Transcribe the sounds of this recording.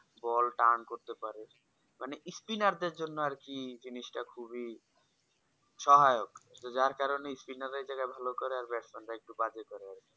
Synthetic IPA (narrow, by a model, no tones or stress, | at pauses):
bɔlʈankoɾt̪epaɾe | maneʔispinaɾd̪eɾd͡ʑonːoaɾkid͡ʑiniʃʈakʰubi | ʃɔɦaeokt̪od͡ʑaɾkaɾoneispinaɾeɾd͡ʑaɡaebʱalokɔɾeaɾbɛʈsmanɾaek̚ʈubad͡ʑekɔɾeaɾki